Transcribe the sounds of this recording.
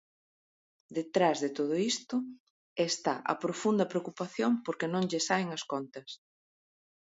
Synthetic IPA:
d̪et̪ɾazðɪt̪oð̞ʊist̪ʊ | est̪aʔɐ̰pɾofund̪ɐpɾeokupaθjoŋpoɾkɪnõŋʎɪsaeŋɐskont̪ɐs

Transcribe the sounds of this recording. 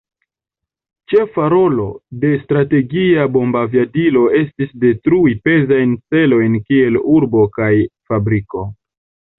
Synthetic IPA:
t͡ʃe̞faɾo̞lo̞de̞stɾate̞ɡiabo̞mbavjadilo̞e̞stisde̞tɾuipe̞zajnt͡se̞lo̞jnkie̞luɾbo̞kajfabɾiko̞

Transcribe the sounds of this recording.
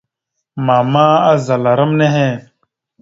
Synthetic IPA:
maːmaːɐzɐlɐɾɐmneɦẽː

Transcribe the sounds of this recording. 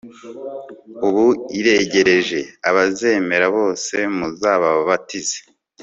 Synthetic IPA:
uβuiɾe̞ɟe̞ɾe̞ʒe̞aβaze̞ːme̞ɾaβo̞ːse̞muzaːβaβatize̥

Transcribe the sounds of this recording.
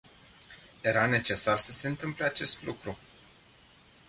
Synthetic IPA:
je̞ɾane̞t͡ʃe̞sarsəse̞ɨnt̪ɨmple̞at͡ʃe̞st̪lukɾu

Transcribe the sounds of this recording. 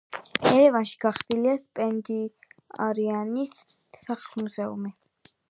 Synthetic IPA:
ɛɾɛvanʃi̥ɡ̥aχd̪iliaspʼɛnd̪i | a̰ɾianisː | aχlmuzɛṵmi

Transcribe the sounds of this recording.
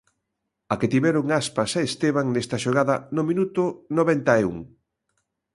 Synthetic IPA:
aket̪iβɛɾʊŋaspasaest̪eβaŋnɛst̪ɐʃoɣ̞aðɐnomĩnut̪ʊnoβɛnt̪aeṵŋ

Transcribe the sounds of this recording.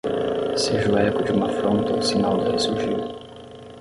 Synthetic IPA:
seʒʊɛkʊd͡ʒɪũmɐfɾõnt̪ɐusinawd̪ɪhesuɾʒiw

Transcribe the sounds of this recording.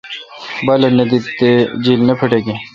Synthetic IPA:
bɐlɐnɐd̪it̪ːed͡ʑilnɐpʰɐʈeɡe

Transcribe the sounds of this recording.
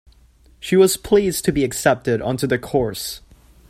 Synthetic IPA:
ʃiwʌz̥pʰl̥iztʰɨbiɨksɛp̚tɨɾʌ̰̃ntʉðɨkʰɔɹs

